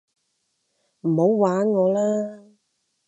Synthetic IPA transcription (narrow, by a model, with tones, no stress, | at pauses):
m̩˨˩ho˨˥wwaː˨˥nŋɔː˨˧laː˥